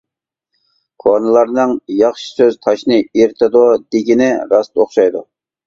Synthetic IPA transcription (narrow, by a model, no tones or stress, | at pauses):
qʰonɨlˠɑɾnɨŋjɑχʃi̥søzt̪ʰɑʃnɨiɾt̪ʰɨd̪ud̪eɡʲinɪɾɑst̪oχʃɑjd̪u